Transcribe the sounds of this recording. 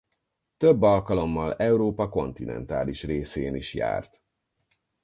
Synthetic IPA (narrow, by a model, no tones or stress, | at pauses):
t̪øbːɒlkɒlo̞mːɒlɛuɾoːpɒko̞nt̪inɛ̰nt̪aːliʃreːseːniʃja̰ːrt̪